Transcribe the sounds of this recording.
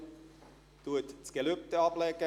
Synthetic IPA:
t̪uətt͡sɡ̥eløp̚t̪əɑplɛɡə

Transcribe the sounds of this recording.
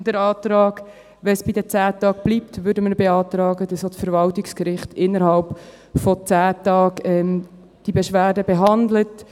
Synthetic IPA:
d̥əɾɑːt̪ɾɑːɡ | ʋɛnsb̥idət͡sæːtɑːɡ̚b̥liːptvʏɾdəməɾbeɑːt̪ɾɑːɡədɑsot͡sfəɾvɑltɪkskɾɪχtɪnːəɾhɑlp | fɔt͡sæːtɑːkɛm | d̥ibɛʃʋæːɾdəbeɦɑndlət

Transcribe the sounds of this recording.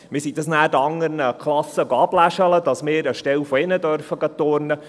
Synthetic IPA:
mɪsid̪ɑsnæːdɑŋːəɾnəkʰχlɑsːəɡoɑb̥læʃələdɑsmɪːɾəʃtɛlfɔɪnədœɾfəɡɑt̪oːɾnə

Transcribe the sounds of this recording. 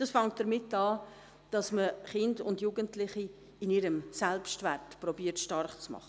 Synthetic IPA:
d̥ɑsfɑŋt̚d̥əɾmɪtːɑː | d̥ɑsməχɪndʊndjuːɡəntlɪχi | ɪniɾəmsɛlpʃtvɛɾtprɔbiːəɾtʃtɑrχt͡smɑ̰χə

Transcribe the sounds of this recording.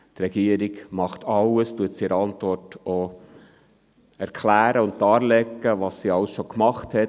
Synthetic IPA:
t̪ɾɛɡ̥iəɾiɡmɑχt̪ʰɑləstuətsiɛɾɑnt̪vɔrto | æɾkχlæːɾəʊnddɑːɾlɛɡːəʋɑsːiɑləsʃokmɑχthɛ

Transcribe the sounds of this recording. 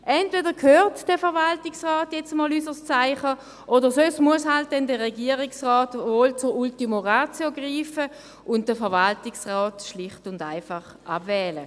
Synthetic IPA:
ʔɛntvedəkʰøːʁtd̥ɛfɛɐʁvaltɪksʁaːtjɛt͡səmɔːlysəst͡saɪχə | ʔodəʁsosmuəshalt̚d̥ɛndɛʁɛɡiəʁɪksʁɔːtvoːlt͡sʊʁultimoʁaːt͡sjoɡʁiːfə | ʔʊnt̚d̥əfɛɐvaltɪksʁɔːtʃlɪχtʊnda̰ɪfaχ | ʔa̰bvɛːlə

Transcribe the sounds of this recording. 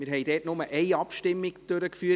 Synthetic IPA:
mɪɾɦɛɪjd̥ɛːtnʊməʔɛɪɑpʃtɪmːɪɡd̥øɾəkfyːə

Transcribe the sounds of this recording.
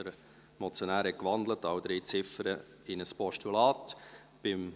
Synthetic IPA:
əɾ | mɔt͡sjɔnæːɾɛkʋɑnd̪lətɑwd̪ɾiːt͡sɪfəɾə | ɪnəspɔʃtulɑːt | b̥ɪm

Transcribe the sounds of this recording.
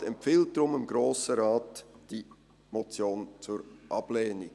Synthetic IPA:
ɛmfiːlt̚d̥ɾʊmɪmɡɾoːsəɾaːtd̥iː | mot͡sjoːnt͡suːɾʔɑb̥leːnɪ

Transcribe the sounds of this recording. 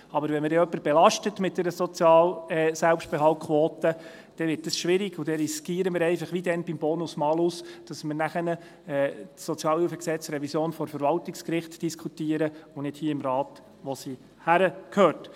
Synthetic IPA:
ɑbəɾvʋɛnməɾdɛœpːəɾb̥ɛlɑʃtətmɪt̚d̥ɛɾəsɔt͡sjɑːlɛsɛlpʃt̚b̥ɛɦɑltkʰχʋɔːt̪ə | d̥ɛʋɪɾt̚dəsʃʋɪɾɪɡ̥ʊd̥ɛɾiskiːəɾəmɪɾɛɪfɑχʋidɛnbimbɔːnʊsmɑːlusd̥ɑsməɾnæχənə | ɛːɔt͡sjɑːlufəksɛt͡sɾɛvisjoːnfɔɾfəɾvɑltɪkskɾɪχtd̥iskχutiːəɾəʊnɪd̥hiːəɪmɾɑːt | ʋɔsi | hæɾəkʰhøːt

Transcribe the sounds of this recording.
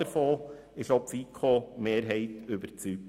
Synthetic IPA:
əɾfoː | ɪʃopfiːkʰomeːɾɦɛɪtøbəɾt͡sy

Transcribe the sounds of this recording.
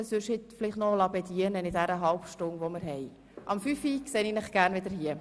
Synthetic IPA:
ɛsøʃhɪtflɪχtnɔlɑpɛdiənənɪdæɾəɦɑlpʃtʊnʋomɪɾɦɛɪ | ʔɑmfyfikseːninɪχɡ̥æːrnvɪd̪əɾhiə

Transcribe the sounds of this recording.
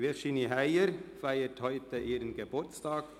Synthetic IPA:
ʋɛʃɪnihæɪəɾfæɪəthœʏt̪əʔeːɾənɡəbʊɾt̪st̪ɑːɡ̥

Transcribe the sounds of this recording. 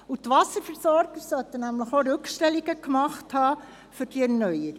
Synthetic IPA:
utʋɑsəɾfɛɾsɔɾɡəɾsœt̪ənæmləχoɾɵkʃtɛliɡəkmɑχthɑː | fʏɾrd̥iɛɾnœjəɾi

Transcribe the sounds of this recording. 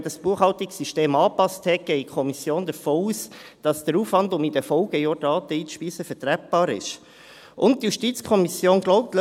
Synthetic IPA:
dɑsb̥uəχhɑltɪksːyʃteːmɑːpɑsthɛk̚ɡ̥ɛɪikʰɔmisjoːndəɾfoːuːsd̥ɑsd̥əɾuːfʋɑndʊmid̥əfɔʊɡ̥əjoːdɑːtəiːsʃpiːsəfɛɾtɾæp̚b̥ɑːɾɪ̰ʃ | ʔʊnt̚tːjuʃtiːt͡skʰɔmisjoːnɡ̥lɔʊp̚tl

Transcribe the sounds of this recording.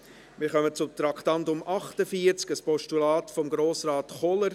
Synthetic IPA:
mɪːɾχœmət͡sʊmt̪ɾɑktɑntʊmʔɑχtəfiəɾt͡skəspɔʃtulaːtfɔmɡɾoːsɾaːtχɔləɾ

